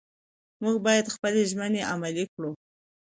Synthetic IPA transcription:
muɡbɑjad̪xpəleʒməneʔamalikɽu

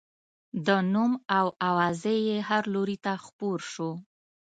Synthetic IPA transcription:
d̪ənumawawɑzejehaɾloɾit̪axpoɾʃo

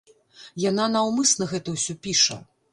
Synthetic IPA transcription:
jananawmɨsnɐɣɛt̪ɐwsʲɔpʲiʂɐ̰

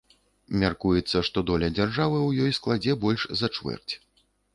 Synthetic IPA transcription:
mʲarkujɛt̪sːɐʂt̪ɔd̪ɔlʲɐd͡zʲarʐavɨwjɔjsklˠad͡zʲɛbɔlʲʂzɐt͡ʂvɛ̰rt͡sʲ

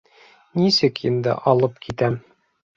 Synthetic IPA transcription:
nisɘkʰind̪ɘ̰ʔɒlˠɤpkʰit̪æm

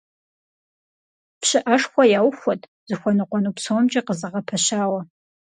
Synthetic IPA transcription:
pɕɪʔɐʂxʷɔjaːwxʷɔtʰʼ | zɨxʷɔnɨqʷɔnupsʰomd͡ʒɐqəzɨʁɐpʰɐɕaːwɐ

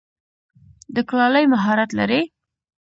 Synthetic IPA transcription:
d̪əklɑləjmaɦɑɾat̪la̰ɾe

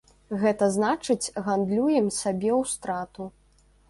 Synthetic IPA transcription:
ɣɛt̪ɐznat͡ʂɨt͡sʲɣand̪lʲujɛmsʲabʲɛwst̪ɾat̪u

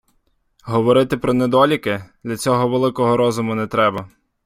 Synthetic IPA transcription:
ɦɔʋɔɾɪt̪ɪpɾɔnɛd̪ɔlʲikɪd̪lʲɐt͡sʲɔɦɔʋelˠɪkɔɦɔɾɔzʊmʊnɛt̪ɾɛbɐ

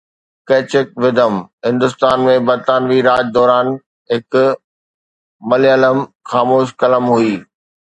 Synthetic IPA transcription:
keːt͡ɕɪk̚ʋɪd̪əmɦɪ̃nd̪ʊst̪aːnmẽbɐɾt̪aːnʋiɾaːd͡ʑd̪ɔːɾaːn | ɦɪk | mɐliələm | xaːmoːʃ̬kɐləmɦuiː

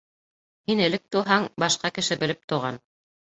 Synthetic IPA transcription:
hinɘ̆lɘk̚t̪uɦɑɴbɑʃqɑkɘ̆ʃɘbɘ̆lɘp̚t̪ŏʁɑn

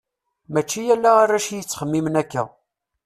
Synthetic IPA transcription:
mæt͡ʃːijælːæarːæʃjət͡sːχəmːimənækːæ̰

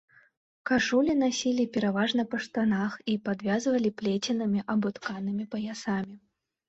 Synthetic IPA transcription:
kaʂulʲinasʲilʲipʲɛɾavaʐnɐpɐʂt̪anaxipad̪vʲazvɐlʲiplʲet͡sʲinɨmʲiʔɐbut̪kanɨmʲipɐjasamʲi

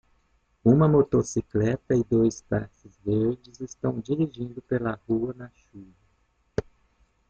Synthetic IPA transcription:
ũmɐmot̪osiklɛt̪ɐɪd̪ojspaɾsɪzveɾd͡ʒɪzɪst̪ɐ̃w̃d͡ʒiɾiʒĩnd̪ʊpelɐhuɐnɐʃuvɐ

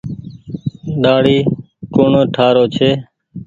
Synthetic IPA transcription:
ɗaːɽiː | koːɳõːʈʰaːɾoːt͡ʃʰeː

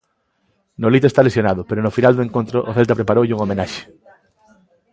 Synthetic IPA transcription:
nolit̪oest̪alesjonaðʊpeɾonʊfinald̪oeŋkont̪ɾoʔoθelt̪apɾepaɾowʎuŋomẽnaʃe̥

